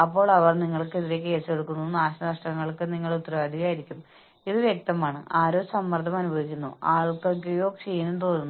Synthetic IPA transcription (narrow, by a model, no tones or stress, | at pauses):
ɐpːo̞ːɭɐʋɐrniŋːɐɭkːeðiɾe̞ke̞ːseɽukːunːunaːɕɐnɐnɐʂʈɐŋːɐɭkːɨniŋːɐɭut̪ːraːd̪ʱiɣajiɾikʲːum | iðɨʋjek̚t̪ɐmaːɳɨʔaːɾo̞ːsɐmːɐrt̪ʰːɐmɐnubʱɐʋikʲːunːuaːɭkokːejo̞ːkʂejːunumt̪o̞ːnːunːu